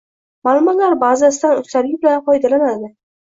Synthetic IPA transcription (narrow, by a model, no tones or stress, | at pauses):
malˠʊmɒt̪laɾbazasɪd̪anʊst̪aɾɡʲɪbɪlanqɒjd̪alanad̪ɪ